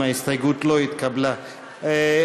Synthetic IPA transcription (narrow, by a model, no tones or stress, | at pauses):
aist̪ajɡut̪loit̪̚kabla | e